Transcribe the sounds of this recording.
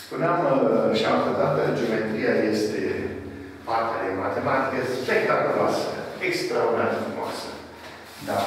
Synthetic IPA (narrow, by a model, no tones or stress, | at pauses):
spuneamʃiamakot̪at̪̚k̪əd͡ʒomet̪ɾiajest̪e | part̪ead̪emat̪emat̪ikesspekt̪akula̰səekst̪ɾaoanfɾumoa̰sə | d̪a